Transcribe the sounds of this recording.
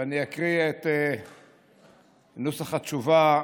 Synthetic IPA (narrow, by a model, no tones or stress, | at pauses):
aniakʁiaet̪e | nusaχat͡ʃuva